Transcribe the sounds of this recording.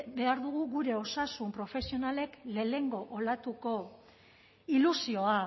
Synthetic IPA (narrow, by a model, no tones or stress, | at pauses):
be̞aɾðuɣ̞uɣuɾe̞o̞sasumpɾo̞fe̞sio̞nale̞kle̞le̞ŋɡo̞ʔolat̪uko̞ | ilusio̞a